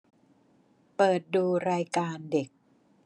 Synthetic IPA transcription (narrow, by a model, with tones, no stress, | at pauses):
pɤː˨˩t̪̚duː˧ɾaː˧jkaː˧nde˨˩k̚